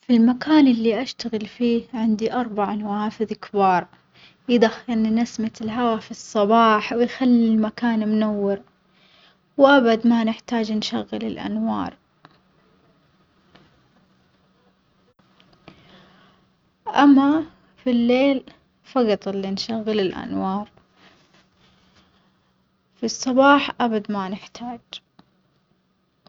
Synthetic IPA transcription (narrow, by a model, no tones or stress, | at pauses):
filmakaːnɪlːiʔaʃt̪aɣɪlfiːʕɪnd̪iʔɑɾˤbaʕnawaːfɪðkbɑːɾˤ | jd̪ahːɪnnasmat̪ɪlɦawafisˤːɑbɑːħwɪjxalːilmakaːnmʊnawːɪɾ | wʔabad̪manɪħt̪aːd͡ʒnʃaɣːɪlɪ̰lʔa̰nwɑ̰ːɾˤ | ʔamːa | filːeːl | fɑɣɑt̪ˤɨlːinʃaɣːɪlɪlʔa̰nwɑːɾˤ | fisˤːɑbɑːħʔabad̪manɪħt̪ʰaːd͡ʒ